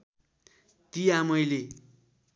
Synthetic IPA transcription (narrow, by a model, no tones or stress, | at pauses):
t̪ijamʌjle